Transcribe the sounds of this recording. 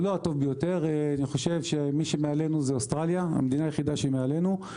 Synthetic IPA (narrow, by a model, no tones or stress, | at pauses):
loat̪o̞vbejo̞t̪e̞ʁeaniχo̞ʃe̞vʃemiʃemeale̞nuzeost̪ʁaljaa̰med̪inaːjeχid̪aʃeimeale̞nu